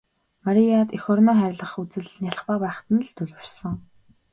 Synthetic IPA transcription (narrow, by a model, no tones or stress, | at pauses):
maɾʲijat̪ixɔrnɔːχæɾʲɪ̆ɮə̆χut͡sɘ̆ɮnʲjaɮ̆χpaːpæːχt̪ə̆n̆ɮt̪ʰɵɮparsɞ̆ŋ